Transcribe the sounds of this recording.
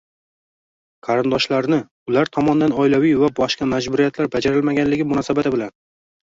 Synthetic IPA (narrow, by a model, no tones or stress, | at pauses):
qʰɑɾɪnd̪ɒʃlaɾnɪ | ʊlaɾt̪ʰɒmɒnd̪anɒjlavijvabɒʃqɑmad͡ʒbʊɾijat̪ʰlaɾbad͡ʒaɾɪlmaɡʲanlɪɡʲɪmʊnɒsabat̪ʰɪbɪlan